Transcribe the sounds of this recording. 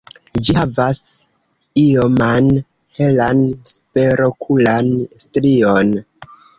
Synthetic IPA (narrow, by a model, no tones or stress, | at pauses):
d͡ʒiavas | ioman | he̞lanspe̞ɾo̞kʰulanstɾio̞n